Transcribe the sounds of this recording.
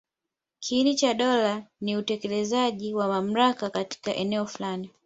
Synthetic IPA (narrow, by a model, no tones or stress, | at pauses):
kʰiinit͡ʃaɗɔlaniutɛkɛlɛzaʄiwamam̩ɾakakati̥kaʔɛnɛɔfulani